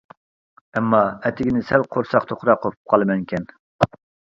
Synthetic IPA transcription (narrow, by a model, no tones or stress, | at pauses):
ɛmːɑɛt̪ʰɪɡʲinɪsælqʰoɾsɑqt̪ʰoχɾɑqʰːopʰu̥p̚qʰɑlˠɨmɛŋkʲʰɛn